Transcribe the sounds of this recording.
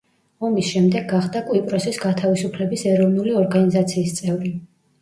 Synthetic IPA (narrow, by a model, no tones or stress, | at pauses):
ɔmisʃɛmd̪ɛɡːaχd̪akʼuipʼɾɔsisɡat̪ʰavisupʰlɛbisɛɾɔvnuliɔɾɡanizat̪sʰiːst̪sʼɛvɾi